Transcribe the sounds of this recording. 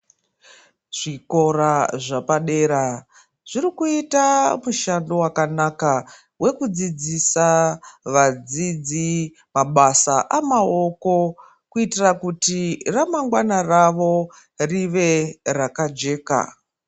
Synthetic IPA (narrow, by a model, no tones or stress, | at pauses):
ʐ̥iko̞ɾaʐapaɗe̞ːɾa | ʐ̥irikuitamuʃando̞wakanaka | we̞kud͡zid͡zisaʋad͡zid͡zi | maɓasaʔamao̞ko̞ | kuitirakutiramaŋɡwanaraʋo̞ | riʋe̞rakad͡ʒe̞ːka̰